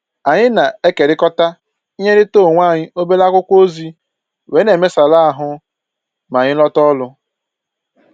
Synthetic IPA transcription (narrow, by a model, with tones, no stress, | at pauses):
a˨ɲɪ˦na˨e˦ke˨ɾɪ˦kɔ˦ta˦ | i˦ɲe˦ɾɪ˦to˦˨ŋʷa˦˨ɲɪ˦ʔo˦be˦la˦kʷʊ˦kʷo˦zi˦ | we˨˦ne˨me˦sa˨la˦a˦˨ɦʊ˦ | ma˨ɲɪ˦lɔ˦tɔ˦lʊ˦